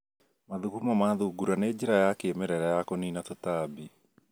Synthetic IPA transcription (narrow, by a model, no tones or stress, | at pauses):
maðukumamaðuɡuɾaned͡ʒiɾajakemɛɾɛɾɛjakoniːnatotaːbi